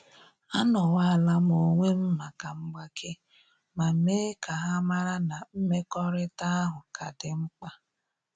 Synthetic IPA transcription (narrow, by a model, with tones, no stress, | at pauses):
a˦nɔ˨wa˦a˨la˦mo˨ŋʷe˦m̩˦ma˨ka˨ŋ͡m̩˦ɡ͡ba˦kʰe˦ | ma˨m̩˦me˦ka˨ɦa˦ma˦ɾa˦na˨m̩˦me˦kɔ˦ɾɪ˦ta˦a˦ɦʊ˨kʰa˨dɪ˨ŋ͡m̩˦k͡pa˦